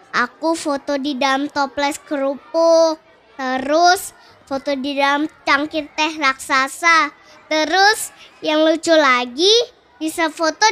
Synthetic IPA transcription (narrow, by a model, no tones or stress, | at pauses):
ʔakufot̪odidalamt̪ɔplɛskəɾupʊ | t̪əɾʊs | fot̪odidalmt͡ʃaŋkirt̪ɛhraksasa | t̪əɾʊsjaŋlut͡ʃʊlaɡi | bisafot̪o